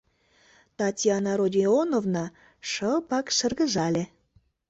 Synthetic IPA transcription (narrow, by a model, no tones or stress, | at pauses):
t̪ɑt̪ʲjɑnɑɾodʲionovnɑ | ʃəlˠpɑkʃə̆rɣəʒɑlʲe